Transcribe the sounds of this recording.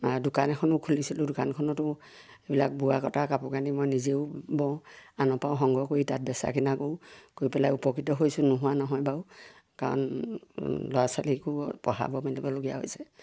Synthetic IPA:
adʊkanɛkʰɔnʊkʰulisilʊ̃dʊkankʰɔnɔtʊ | ebilak̚buwakɔtakapɔɡanimojnizeʊbɔ̃anɔpaw̃ɦɔŋɡʱɔkoɹitat̚bɛsa̰kinakoʊkoɹipɛlajupɔkɹitɔɦojsʊnʊɦuanɔɦɔjbaʊ | kaɹɔ̰n | lɔasaliekupɔɦa̰bɔmɛntɛbɔloɡija̰ɦo̰jsɛ

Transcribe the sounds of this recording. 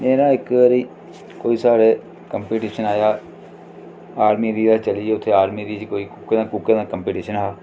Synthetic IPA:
meːɾãːɪkɾiː | koːiːsaːɾeː | kəmpeːʈiːʃənaːjaː | aːɾmiːd̪iːd̪aːt͡ʃəlieːʊt̪ʰːeːaːɾmiːɾiːd͡ʒkoːiːkʊked̪ãːkukeːd̪ãːkəmpeːʈiːʃənɦaː

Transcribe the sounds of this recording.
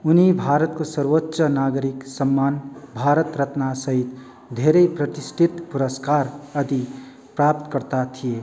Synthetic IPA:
ʊnibʱaːɾət̪kosəɾʋotːʃənaɡɾiksəmːaːnbʱaːɾət̪ɾət̪nasəɦit̪ | d̪ʱeɾeipɾət̪isʈʰit̪puɾəskaɾəd̪i | pɾap̚t̪kəɾt̪at̪ʰije

